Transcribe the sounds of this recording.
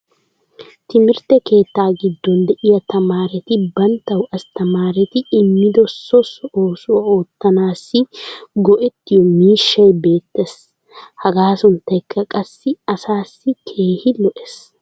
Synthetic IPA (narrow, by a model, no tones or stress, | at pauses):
t̪ɪmɪɾt̪ɛke̞ːt̪ːaːɡɪd̪ːɔnd̪ɛʔɪjɐt̪ɐmaːɾɛt̪ɪbɐnt̪ːɐwɐst̪ɐmaːɾɛt̪ɪɪmːɪd̪ɔsɔsɔoːsʊwɐoːt̪ːɐnaːsːɪɡɔʔɛt̪ːɪjɔmiːʃːɐjbe̞ːt̪ːes | hɐɡaːsʊnt̪ːɐjkʰːɐkʼɐsːɪɐsaːsːɪkʰe̞ːhɪlɔʔɛs